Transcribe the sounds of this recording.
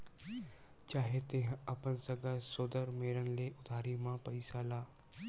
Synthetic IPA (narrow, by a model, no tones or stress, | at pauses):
t͡ʃaːɦet̪eɦɐpənsəɡəsoːd̪əɾmeːɾənleːʔʊd̪ʱaːɾimãpəɪsaːlaː